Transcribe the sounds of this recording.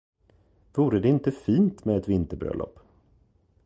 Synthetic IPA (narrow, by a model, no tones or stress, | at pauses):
vuːɾəd̪ɛɪnt̪əfiːnt̪mɛɛt̪vɪnt̪əbɾœ̰lʔɔ̰pː